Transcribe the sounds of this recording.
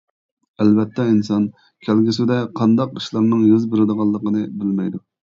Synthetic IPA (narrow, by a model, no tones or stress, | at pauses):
ælbɛt̪ʰːɛinsɑn | kʲʰælɡʲisɪd̪ɛqʰɑnd̪ɑqiʃlˠɑɾnɨŋjyzbɪɾɨd̪əʁɑlˠːəqənɨbɪlmɛjd̪u